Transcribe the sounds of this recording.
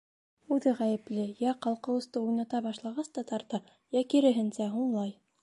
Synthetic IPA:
ʉðɘʁæjɘ̆plɘjæqɑlˠqɤ̆wɤ̆st̪ɤujnɑt̪ɑbɑʃlˠɑʁɑst̪ɑt̪ɑɾt̪ɑ | jækiɾɘ̆ɦɘ̆nsæɦuɴlˠɑj

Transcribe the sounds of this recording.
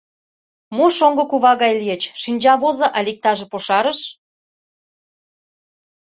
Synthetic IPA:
muʃoŋɡŏkuβɑɣɑjlijə̆t͡ɕʃinʲd͡ʑɑβozɤ̆ʔɑlʲik̚t̪ɑʒĕpoʃɑɾə̆ʃ

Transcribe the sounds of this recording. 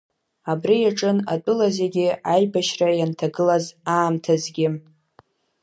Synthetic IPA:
abrijaʈ͡ʂʼɨna̰tʼʊlazeɡʲɪajbaʃrajantʰaɡɨlazaːmtʰazɡʲɪ

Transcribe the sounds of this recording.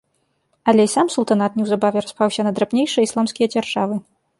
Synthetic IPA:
ɐlʲɛisamsulˠt̪anat̪nʲɛwzabavʲɛɾaspawsʲɐnɐd̪ɾapnʲejʂɨjɐislˠamskʲijɐd͡zʲarʐavɨ

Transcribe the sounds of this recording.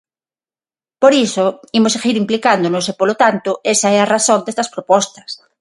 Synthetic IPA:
poɾisoimoseɣiɾimplikand̪onosepolot̪ant̪oesaearaθõnd̪est̪ɐspɾopɔst̪ɐ̥s

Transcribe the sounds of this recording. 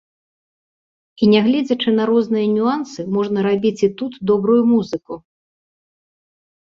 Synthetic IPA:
inʲɛɣlʲɛd͡zʲɐt͡ʂɨnɐɾɔznɨjɐnʲuansɨmɔʐnɐɾabʲit͡sʲit̪ut̪d̪ɔbɾujumuzɨku

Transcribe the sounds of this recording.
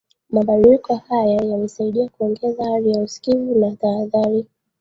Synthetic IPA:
maɓaɗilikɔhajajalisaiɗiakuɔŋɡɛzaavijausi̥kivunataːðaɾi

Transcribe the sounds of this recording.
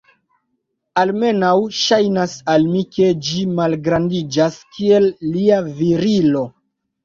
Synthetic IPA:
alme̞nawʃajnasalmike̞d͡ʒimalɡɾandid͡ʒaskie̞lːiaviɾilo̞

